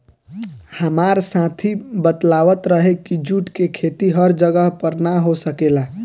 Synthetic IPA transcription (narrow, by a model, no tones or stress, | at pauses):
həmaɾsãt̪ʰibət̪laʋət̪ɾəɦekid͡ʒuʈkekʰet̪iɦəɾd͡ʒəɡəɦpəɾnaɦosəkela